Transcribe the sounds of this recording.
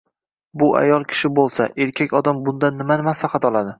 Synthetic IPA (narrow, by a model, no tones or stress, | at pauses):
bʊʔa̰jɒlˠkʲʰɪ̥ʃɪbolˠsaʔe̞ɾkʲʰakʲɒd̪ambʊnd̪anːɪmanɪmasaχɑt̪ʰɒlˠad̪ɪ